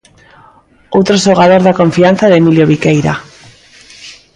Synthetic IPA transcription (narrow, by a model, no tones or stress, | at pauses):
owt̪ɾoʃoɣ̞að̞oɾðako̞ɱfian̟θaðemiljoβ̞ikejɾa̰